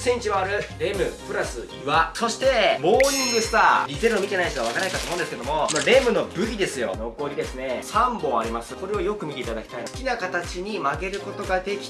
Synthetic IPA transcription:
sẽ̞ɲ̟ʲt͡ɕimaaɾɯ̟ɾe̞mɯ̟pɯ̟ɾasɨiβaso̞ɕi̥t̪e̞bo̞ːĩŋɡɯsɨ̥t̪aːɾʲiteɾɯomʲit̪enaiɕt̪oaβakaɾnaikat̪omõːndesɨked̪omo̞maɾe̞ːmɯ̟no̞bɯ̟çʲid̪e̞sɨjo̞̰nokoːɾʲid̪e̞sɨne̞sãmbõ̞aɾʲimasɨ̥ko̞ɾe̞o̞jo̞kɯ̟mʲit̪eit̪ad̪akʲi̥t̪ainskʲinakat̪at͡ɕiɲ̟imaɡe̞ɾɯ̟ko̞t̪o̞ɡad̪e̞kʲi̥

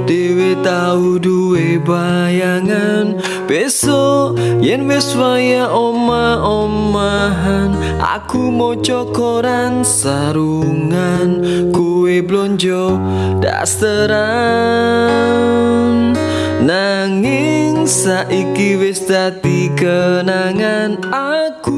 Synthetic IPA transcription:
d̥ewet̪auduwebajaŋan | b̥esɔʔjɛnwɛswajaʔɔmaɔmmaɦan | ʔa̰kumɔt͡ʃɔkɔɾansaɾuŋankuwɛblɔɲd͡ʒɔ | da̰st̪əɾa | nː | aŋiŋsaʔikiwɛsdat̪ikənaŋanaku

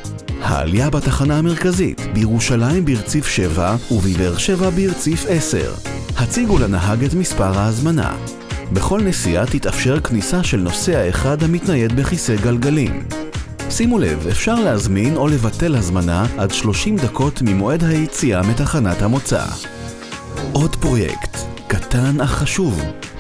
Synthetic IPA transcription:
ha̰a̰ljabataχanahame̞ʁkazḭtbejeʁuʃalajimbeiʁt͡sifʃe̞vauviveʁʃevabeiʁt͡sife̞se̞̰ʁ | hat͡siɡulenaɦaɡetmispaʁhaːzmana̰ | be̞χo̞lnesiatitafʃe̞ʁknisaʃe̞lnose̞aeχadhamitnaje̞dbeχiseɡalɡalim | simule̞̰ve̞fʃaʁleazmino̞le̞vate̞lhazmanaʔadʃlo̞ʃimdakʰo̞tmimo̞e̞dhajit͡siametaχanathamo̞t͡sa̰ | ʔo̞dpʁo̞jḛkt̪katanaχaʃuv

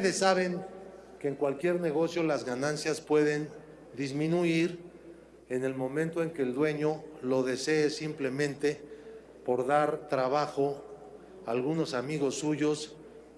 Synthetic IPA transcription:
teðesːaβe̞ŋ | keːŋkwalkje̞ɾne̞ɣo̞sjo̞lazɣanãnsjaspwe̞ðe̞n | d̪izmĩnuiɾ | e̞ne̞lmõ̞mẽnt̪o̞e̞ŋke̞ːld̪we̞ɲo̞lo̞ðe̞se̞ːsimple̞mẽ̞nt̪e̞ | po̞ɾðaɾt̪ɾaβaxo̞ | alɣuno̞samiɣo̞sːuʝo̞s

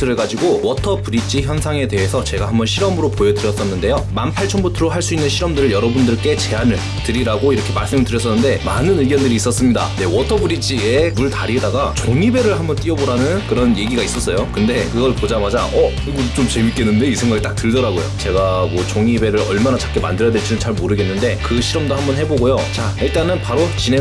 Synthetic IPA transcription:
tʰɯɾɯɭɡad͡ʑiɡowʌtʰʌbuɾid͡ʑiçjʌnsʰaŋe̞de̞ɦe̞sʰʌt͡ɕe̞ɡaɦambʌnɕʰiɾʌmɯɾopojʌdɯɾjʌs͈ʌnːɯnde̞jomampʰaɭt͡ɕʰʌnbutʰɯɾoɦaɭs͈uinːɯnɕʰiɾʌmdɯɾɯɭjʌɾʌbundɯɭk͈e̞t͡ɕe̞anɯɭ | tɯɾiɾaɡoiɾʌkʰe̞maɭs͈ɯmɯɭtɯɾjʌs̬͈ʌnːɯndemanɯnɯɡjʌndɯɾiːs͈ʌs͈ɯmɲida̰ne̞wʌtʰʌbɯɾid͡ʑiemuɭtaɾidaɡat͡ɕoŋibe̞ɾɯɭhambʌnt͈iʌboɾanɯnkɯɾʌnje̞ɡiɡais͈ʌs͈ʌjokɯnde̞kɯɡʌɭpod͡ʑamad͡ʑaʌ | iɡot͡ɕ͈omt͡ɕemik͈e̞nːɯnde̞isʰe̞ŋɡaɡit͈ak̚t͈ɯɭdʌɾaɡojo̰t͡ɕe̞ɡamwʌt͡ɕoŋibe̞ɾɯɾʌɭmanat͡ɕḁk͈ema̰ndɯɾjadweɭt͡ɕ͈inɯmt͡ɕaɭmoɾɯɡe̞nːɯnde̞kɯɕʰiɾʌmdohambʌnɦeboɡojot͡ɕa | iɭt͈anɯnpaɾot͡ɕine

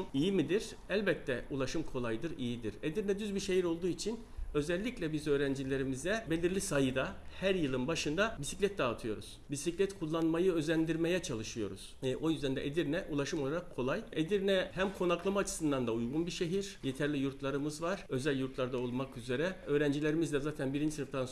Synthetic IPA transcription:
ijimid̪iɾ̥ | ælʲbɛt̪ʰːɛulˠaʃɯmkʰo̞lˠajd̪ɯɾijid̪iɾed̪iɾnɛd̪yzbiɾʃe̞ɦiɾo̞lˠd̪uːit͡ʃʰin | ø̞zɛlʲːiclʲɛbizø̞ːɾænd͡ʒilʲe̞ɾimizd̪ɛbe̞lʲiɾlʲisajɯd̪ahæɾjɯlˠɯnbaʃɯnd̪abisi̥clʲɛt̪̚d̪aːt̪ʰɯjo̞ɾṵz̥bisiclʲɛt̪kʰulˠːanmajɯø̞zlʲænd̪iɾme̞jɛt͡ʃʰalˠɯʃɯjo̞̰ɾṵz̥ɛʔo̞jyzd̪ænd̪ɛ̰ʔed̪iɾnɛʔulˠaʃɯmoaɾakʰːo̞lˠajed̪iɾnɛhæmkʰo̞naklˠamaːt͡ʃʰɯ̥sɯnd̪and̪aujɡunbiʃe̞ɦiɾ̥je̞t̪ʰæɾlʲijuɾt̪ʰlˠaɾɯmɯzvaɾ̥ø̞zælʲjuɾt̪lˠaɾd̪ao̞lˠmakyze̞ɾɛø̞ːɾænd͡ʒilʲe̞ɾimizd̪ʲɛzaːt̪ʰænbiɾind͡ʒisɯɾɯft̪ʰan

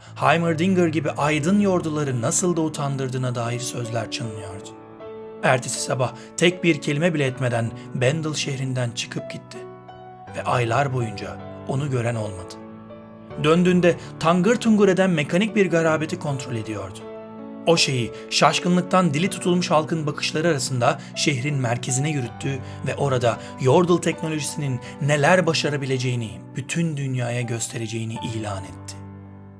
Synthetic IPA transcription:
hajmɯɾd̪iŋɡɯɾɟibiʔajd̪ɯnjo̞ɾd̪ulˠaɾɯnasɯlˠd̪aut̪ʰand̪ɯɾd̪ɯːnad̪aːjiɾsø̞zlʲæɾt͡ʃʰɯnnɯjo̞ɾd̪ʊ̥ | æɾt̪ʰesi̥sabah | t̪ʰɛc̚biɾcʰe̞lʲimɛbilʲɛɛt̪me̞d̪ænbɛnd̪ɯlˠʃehɾind̪ænt͡ʃʰɯ̥kʰɯp̚ɟit̪ʰːɪ | vɛʔajlˠaɾbo̞jund͡ʒa̰o̞nuɟø̞ɾæno̞lˠmad̪̥ɯ̥ | d̪ønd̪yːnd̪ɛt̪ʰaŋɡɯɾt̪ʰuŋɡuɾe̞d̪ænmekʰanic̚biɾɡaɾaːbet̪ʰikʰo̞nt̪ɾo̞lʲe̞d̪ijo̞̰ɾd̪ʊ̥ | o̞ʃe̞ji | ʃaʃkɯnlˠɯk̚t̪ʰand̪ilʲit̪ʰu̥t̪ʰulˠmuʃhalˠkʰɯnbakʰɯ̥ʃlˠaɾɯaɾasɯnd̪a | ʃeɦɾinmæɾcʰe̞zinɛjyɾyt̪ʰːyː | vɛʔo̞ɾad̪a | jo̞ɾd̪ɯlˠt̪ʰɛcno̞lʲo̞ʒisininːe̞lʲæɾbaʃaɾabilʲe̞d͡ʒe̞jini | b̥yt̪ʰynd̪ynjaːjaɟø̞st̪ʰe̞ɾe̞d͡ʒe̞jiniʔiːlʲaːnɛt̪ʰːɪ̥

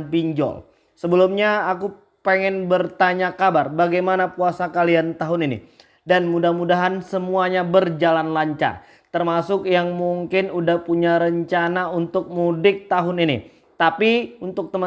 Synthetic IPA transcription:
npiɲd͡ʒɔ̰l | səbəlumɲaaku | peŋɛnbərt̪aɲakabarbaɡajmanapuasakaliant̪aɦʊninḭ | danmudahmudaɦansəmuaɲabərd͡ʒalanlaɲt͡ʃa̰r | t̪ərmasʊkjaŋmuŋkɪnudahpuɲaɾəɲt͡ʃanaunt̪ʊk̚mudɪk̚t̪aɦʊninḭ | t̪apiunt̪ʊk̚t̪əm

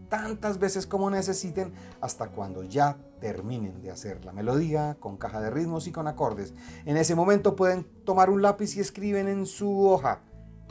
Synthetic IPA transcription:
t̪ant̪azbe̞se̞sko̞mo̞ne̞s̬e̞sit̪e̞n | ast̪akwa̰nd̪o̞ʝa | t̪e̞ɾmine̞nd̪ea̰se̞ɾla̰me̞lo̞ðiako̞ŋkaxaðe̞riðmo̞siko̞nako̞ɾd̪e̞se̞ne̞s̬e̞mo̞mẽ̞nt̪o̞pwe̞ð̞e̞nt̪o̞maɾunlapisie̞skɾiβe̞ne̞nsuo̞xa̰

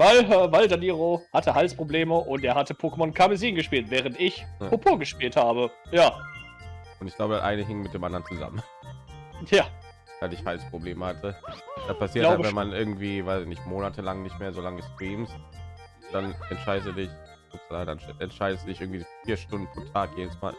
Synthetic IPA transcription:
vaɪlɛvaɪldaniːʁohatʰəhalspʁ̥obleːməʔʊntʔeːɐɦatəpʰokəmɔnkʰamɪziːnɡəʃpiːltv̥ɛːʁ̞əntɪçpopʰuːɐɡəʃpiːlthaːbəjaː | ʔʊntɪçɡ̥laʊbəda̰sʔa̰ɪnəɦɪŋənmɪt̚d̥eːmʔandɐənt͡suza̰mən | jḁː | alɪçhaɪlspʁ̥obleːməhatʰəd̥aspʰasiɐlatːjabvɛnmanʔɪɐɡŋ̩tv̥iːvaɪzɪçnɪçtmoːnatʰəlaŋnɪçtmeːɐzolaŋəstʁ̥iːmst | d̥anɛntʃaɪdəstdudɪç̥ | ʊtlada̰nɛnʃaɪdəstd̥udɪçʔɪɐɡŋ̩v̥izfiːɐʃtʊndn̩pʰʁ̥oːtʰaːkjeːdəsma̰ːl

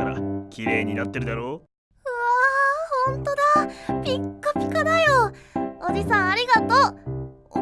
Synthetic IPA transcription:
aɾa̰kʲiɾe̞ːɲ̟inat̪ːe̞ɾɯ̟d̪aɾo̞ː | ɯahõ̞nt̪o̞d̪apʲikːopʲi̥kanajood͡ʑisãɰ̃aɾʲiɡat̪oː

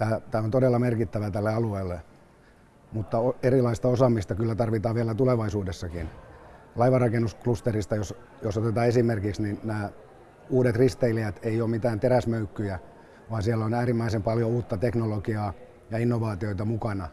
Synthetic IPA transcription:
t̪æːt̪æːont̪odelːɑmerkit̪ːæʋæt̪ælːeɑlueilːe | mut̪ːɑoerilɑist̪ɑosɑmist̪ɑkylːæt̪ɑrʋit̪ɑːʋiælæt̪uleʋɑisuːdesːɑkin | lɑiʋɑrɑkenːusklust̪erist̪ɑjos | josot̪et̪ɑːesimerkiksninnæː | uːdet̪rist̪eiliæt̪eiomit̪æːnt̪eræsmøykːyjæ | ʋɑːnsiælæonæːrimːæisempɑljouːt̪ːɑt̪eknolokiɑː | jɑinːoʋɑːt̪ioit̪ɑmukɑnɑ

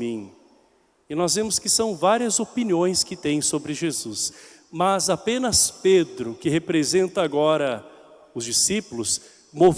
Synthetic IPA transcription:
ĩ | ɪnɔzvẽmʊskɪsɐ̃w̃vaɾiɐzopiniõj̃skɪt̪ẽj̃sobɾɪʒezusmɐzapẽnɐsped̪ɾʊkɪhepɾezẽnt̪ɐːɡɔɾɐ | ʊzd͡ʒisipʊlʊs | mov

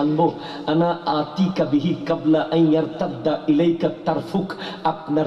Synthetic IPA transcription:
ɐnbo | ʔɐnaːʔaːt̪iːkɐbɪɦikɐblaʔɐnjɐɾt̪ɐd̪ːaʔɪlɐjkɐt̪ːɐɾfʊkʔɐbnɐ

